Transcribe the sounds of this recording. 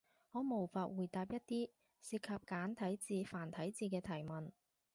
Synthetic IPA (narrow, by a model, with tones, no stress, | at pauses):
hɔː˨˧mo˨˩wfaː˨˧t̚wuː˨˩jt̪aː˨p̚jɐ˥t̚t̪iː˥ | siː˧t̚kʰɐ˨p̚kaː˨˥nt̪ʰɐ˨˥jt͡siː˨˧faː˨˩nt̪ʰɐ˨˥jt͡siː˧kɛː˧t̪ʰɐ˨˩jmɐ˨˩n